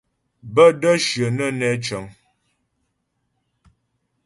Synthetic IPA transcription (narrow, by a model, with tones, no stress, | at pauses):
bə˦də˦ʃə˨nə˦nɛ˦t͡ʃə˨˦ŋ